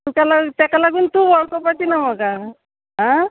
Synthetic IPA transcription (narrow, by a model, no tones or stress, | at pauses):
t̪ukalat̪akalaɡuːnt̪ubɔɭkɔpatinamɔɡa | ɦã